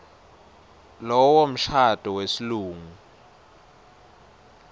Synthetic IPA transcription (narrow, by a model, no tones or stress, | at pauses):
lɔwom̩ʃatuwesiluːŋu